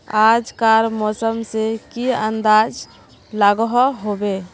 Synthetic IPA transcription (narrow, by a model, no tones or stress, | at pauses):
ad͡ʒkaɾmɔsəmsekiənd̪ad͡ʒ | laɡɦɔɦobe